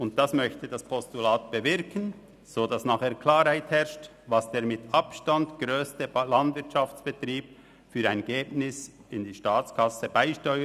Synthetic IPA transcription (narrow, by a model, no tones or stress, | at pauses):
ʊnt̚d̥asmœçtədaspʰɔstulaːt̚b̥əvɪɾkʰən | z̥oːdɑsnaːχeːkʰlaːɾhaɪthɛɾʃt | vɑsd̥eːɾmɪtɑpʃtandɡ̥ɾøːstəlandvɪɾtʃɑft͡sb̥ətɾiːb̚ | fyːɾaɪnɡeːbnɪsɪndiːʃtaːt͡skʰɑsəbaɪʃtɔʏə